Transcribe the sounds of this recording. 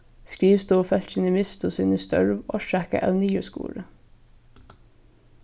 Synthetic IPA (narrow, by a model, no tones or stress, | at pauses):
skɾiːʋst̪uːfɛlt̪ʃɪnəmɪst̪ʰʊsɪnəst̪œ̰ɹʋoːʃækə̰ʔæʉnyːəskṵːɾə